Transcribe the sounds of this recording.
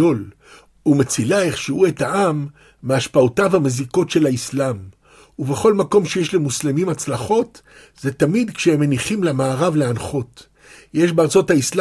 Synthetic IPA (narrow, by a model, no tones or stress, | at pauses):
o̞l | umet͡silaeχʃiue̞taʔamː | eaʃpaotavameziko̞tʃe̞laislam | uve̞χo̞lmako̞mʃejeʃlemuslemimat͡slaχo̞t | z̥e̞tamid̪kʃehemːeniχimlemaːʁavleanχo̞t | je̞ʃbeaʁt͡so̞thaisl